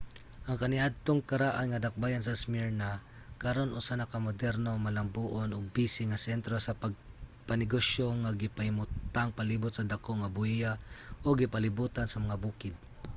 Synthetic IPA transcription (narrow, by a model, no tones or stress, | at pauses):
ʔɐŋkɐnɪʔad̪̚t̪oŋkɐɾaʔanŋɐd̪ɐk̚bajansɐsmiɹna | kɐɾo̞nʔʊsanɐkamod̪ɛɾnomɐlɐmbuːʔonoɡ̚bisɪŋɐsɛnt̪ɾosɐpɐɡ̚pɐnɪɡoʃoŋaɡɪpahɪmʊt̪aŋpaliːbʊt̪̚sɐd̪akoŋɐbʊɪjaʔoɡɪpɐlɪbuːt̪ansɐmɐŋabuːkɪd̪̚